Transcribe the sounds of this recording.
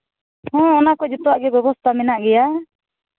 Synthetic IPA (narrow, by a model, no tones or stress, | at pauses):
hɔ̃ɔnakɔd͡ʒɔt̪ɔwaʔɡɛɡɔbɔst̪amɛnaʔɡɛja